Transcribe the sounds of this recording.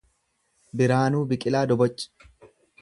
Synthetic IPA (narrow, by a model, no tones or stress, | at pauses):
bɪɾaːnuːbɪkʼɪlaːd̪ɔbɔt͡ʃʼːɪ̥